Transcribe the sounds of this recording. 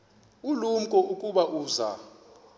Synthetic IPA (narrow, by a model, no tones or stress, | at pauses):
ulum̩kʼɔukʼuɓaʔuːza̰